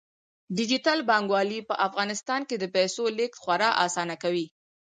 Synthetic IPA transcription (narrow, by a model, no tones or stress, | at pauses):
ɖɪd͡ʒit̪albɑŋɡwɑlipəʔafɣɑnɪst̪ɑnked̪əpasolɪk̚t̪xwaɾɑʔɑsɑnakawi